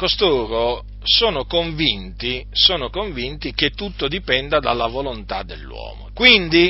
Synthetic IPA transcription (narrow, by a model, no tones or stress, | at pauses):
kost̪oːɾo | soːnokoɱvint̪isoːnokoɱvint̪ik̟et̪ːut̪ːod̪ipɛnd̪ad̪a̰lːavolont̪a̰d̪ːelːwɔ̰ːmo̰kwind̪i